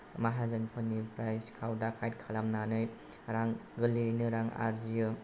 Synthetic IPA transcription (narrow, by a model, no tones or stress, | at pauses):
maɦazɯnpʰɯnipɾajskʰawdakʰajt̚kʰalamnanɯj | ɾaŋɡɯlinɯɾaŋa̰zijɯ